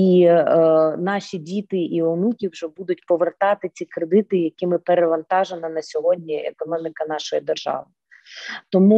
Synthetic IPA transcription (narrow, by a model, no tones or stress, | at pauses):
i | nɑʃʲidʲit̪ɪiɔnukʲiwʒɛbud̪ʊt̚ʲpɔʋert̪ɑt̪ɪt͡sʲikɾed̪ɪt̪ɪjɐkɪmɪpeɾeʋɐnt̪ɑʒenɐnɐsʲɔɦɔdʲnʲiḛkɔnɔmʲikɐn̪ɑʃɔjid̪erʒɑ̰ʋɪ | t̪ɔmu